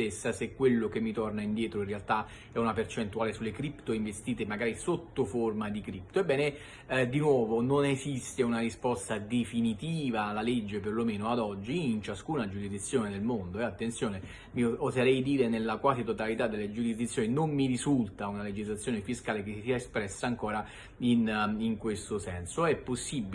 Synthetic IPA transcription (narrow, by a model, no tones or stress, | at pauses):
esːasekːwelːokemːit̪ornaind̪jɛːt̪ɾoĩnrealt̪a | ɛunapert͡ʃent̪uaːlesulːekɾipt̪oiɱvest̪iːt̪emaɡaːɾisot̪ːoformad̪ikɾipt̪oebːɛːne | d̪inwɔːvononezist̪eunarispɔst̪ad̪efinit̪iːvaːlːaled͡ʒːeperlomeːnoad̪ɔd͡ʒːiːnt͡ʃaskuːnad͡ʒuɾizd̪it̪sːjoːned̪elmond̪oɛat̪ːent̪sjoːne | miozaɾɛjd̪iːɾenelːakwaːzit̪ot̪alit̪ad̪ːelːed͡ʒuɾizd̪it̪sːjoːninommiɾizult̪aunaled͡ʒizlat̪sːjoːnefiskaːlek̟esisiaespɾɛsːaːŋkoːɾa | iniŋkwest̪osɛnsoɛpːosːibːi